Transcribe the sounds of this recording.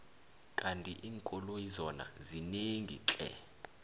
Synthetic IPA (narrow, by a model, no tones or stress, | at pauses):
kʼantʼiʔiːŋkʼɔlojizɔna̰zineŋɡʱḭǁʼɛ̰